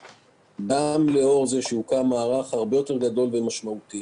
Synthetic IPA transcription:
ɡamle̞o̞ʁzeʃeukamaːʁaχhaʁbe̞jo̞te̞ʁɡad̪o̞lvemaʃmaut̪i

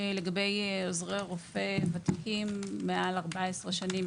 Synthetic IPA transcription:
le̞ɡabe̞jozʁeʁofevat̪ikimːealaʁbaesʁeʃanim

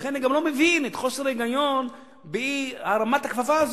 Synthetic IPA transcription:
χenːiɡamlo̞mevinet̪χo̞seɾeɡajo̞n | bihaʁamat̪hakfafaːz

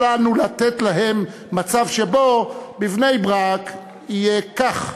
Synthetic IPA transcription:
lanulat̪et̪laɦe̞mː | at͡savʃebo̞bivnejbʁak | ijekaχ

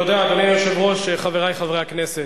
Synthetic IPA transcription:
jod̪eat̪anijoʃevʁo̞ʃeχaveʁajχavʁeakneset

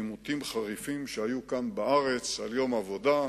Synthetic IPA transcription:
imut̪imχaʁifimʃeajukanbaʔaʁet͡saljo̞mavo̞da

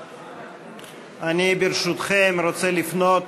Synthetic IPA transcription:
anʲibeɾʃut̪χemɾot͡selifno̞t̪

